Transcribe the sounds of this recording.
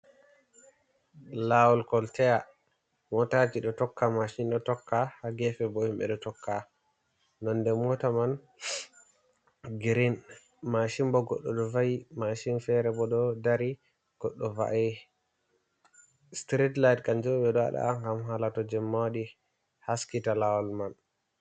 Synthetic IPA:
lawɔlkɔltɛja | mɔtad͡ʒiɗɔtɔkːamaʃinɗɔtɔkːahaɡɛfɛbɔhimɓɛ̰ɗɔtɔkʰːa | nɔndɛmɔtaman | ɡɾin | maʃimbɔɡɔ̰ɗːɔɗɔvajimaʃinfɛɾɛbɔɗɔdaɾi | ɡ̥ɔɗːɔva̰ʔɛ | stɾitlajtkand͡ʒoɓɛɗɔa̰ɗa̰aŋɡamɦalatɔd͡ʒɛmːaɗi | haskitalawɔlman

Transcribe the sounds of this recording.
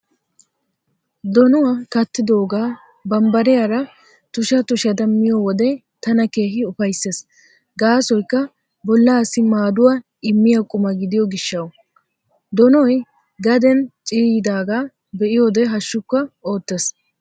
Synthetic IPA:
d̪ɔnʊwɐkɐt̪ːɪd̪o̞ːɡaː | bɐmbɐɾɛjaɾɐ | t̪ʊʃɐt̪ʊʃɐd̪ɐmːɪjɔwɔd̪ɛ | t̪ɐnɐke̞ːɦɪʊfɐjsːe̞ːs | ɡaːsɔjkːɐ | bɔlːaːsɪmaːd̪ʊwa | ɪmːɪjɐkʼʊmɐɡɪd̪ɪjɔɡɪʃːɐw | d̪ɔnɔj | ɡɐd̪ɛnt͡ʃʼiːjɪd̪aːɡaː | bɛʔɪjoːd̪ɛɦɐʃːʊkːɐo̞ːt̪ːeːs

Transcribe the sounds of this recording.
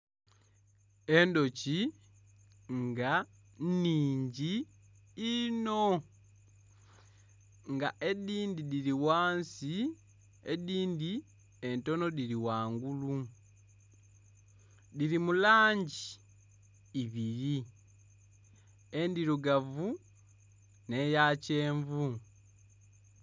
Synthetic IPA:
e̞ndo̞ci | ŋɡa | niːɲɟiː | no̞ | ŋɡaʔe̞diːndidiliwaːnsi | ediːndi | e̞nto̞no̞diliwaːŋɡulu | dilimulaːɲɟiː | βiɾi | e̞ndiɾuɡavu | ne̞jace̞ːɱvu

